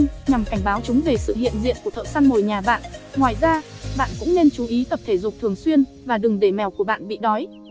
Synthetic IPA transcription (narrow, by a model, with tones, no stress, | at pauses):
ɲa˨˩mka˧˩jŋ̟ɓaː˨˦wt͡ɕʊ˨˦ŋ͡mve˨˩sɨ̰˧˨hḭ˧˨ənzḭ˧˨ənku˧˩t̪ə̰ː˧˨sa˧nmo˨˩jɲaː˨˩ɓa̰ː˧˨nŋwaː˨˩jzaː˧ | ɓa̰ː˧˨nkʊ̰˧˥ŋ͡mne˧nt͡ɕu˨˦ʔi˨˦t̪ə˨˩p̚t̪ʰe˧˩zʊ˨˩k͡p̚t̪ʰɨ˨˩əŋswi˧ən | vaː˨˩ɗɨ˨˩ŋɗe˧˩mɛ˧˩wku˧˩əɓa̰ː˧˨nɓḭ˧˨ɗɔ˨˦j